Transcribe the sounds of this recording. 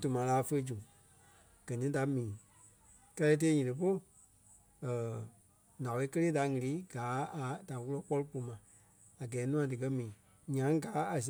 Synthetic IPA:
tu˨mã˨˦laː˨˦fə˧˦d͡ʒũ˨ | ɡ̥ɜ˨nĩ˨˦da˨mĩː˨ | kɛ˧lɛ˧˦t̬eː˧˦ɲĩ˨ɾɨ˨p̬o˦ɨ˨ | əː˨ | nã˨e˧˨˦kə˦leː˦da˨ŋĩ˨˧liː˨˦ɡ̥aː˨˦a˨da˨wu˦lɔ˦k͡pɔ˦lɨ˦po˧˦mã˨ | a˨ɡɛː˨˦nũ˦ã˧dɨ˨kɜ˦mĩː˨˦ | ɲã˨˦ŋ˦ɡaː˨˦a˨s̬

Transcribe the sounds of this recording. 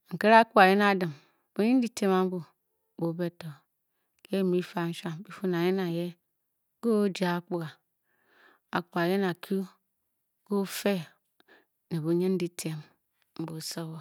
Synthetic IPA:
ŋ̩˨ke˦ɾa˦k͡pu˦a˨je˦na˦dɨ˨m | o˨˦ɲe˦n̩˦i˦tʰe˦ma˨˦m̩˦bu˨ | bo˨˦be˦to˨ | ke˦˨mi˦fa˨˦ʃa˦mbi˦fu˦n˨a˨je˦na˨je˦ | ɡo˦d͡ʒa˨˦k͡pu˦ɣa˨ | a˨k͡pu˨a˨je˦na˨kʰu˦ | ɡ̥o˦fe˦ | ne˨bo˨ɲe˦n̩˦di˦tʰe˨m | m̩˦bo˨so˦wo˨

